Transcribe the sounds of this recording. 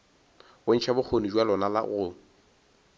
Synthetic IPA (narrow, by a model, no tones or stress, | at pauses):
bʊn̩t͡ʃʰabʊk͡xʰonid͡ʒwalɔnala̰ɣʊ